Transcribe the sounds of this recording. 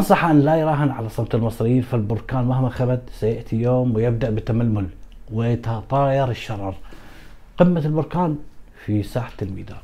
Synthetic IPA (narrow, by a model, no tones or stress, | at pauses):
ʔɑnsˤɑħʔanːlajɾˤɑːɦɪnʕalasˤːɑbt̪ɪlmɨsˤɾɪjːiːnfalbʊɾkaːnmahmaxabad̪sajaʔt̪ʰijoːmwɪjɪb̚d̪aʔbɪt̪ːamalːʊlwɪjt̪ɑt̪ˤɑːjɑɾˤɪʃːɑɾˤɑɾˤ | qɪmːalbʊɾkaːnfisaːħḁlmḭd̪a̰ːn